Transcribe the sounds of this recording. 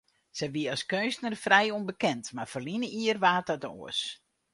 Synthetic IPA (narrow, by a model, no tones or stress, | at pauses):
sɛʋiəɑskøstnərfrɛjonbəkɛntmarfərlinəʔiərʋaːtɔto̰əs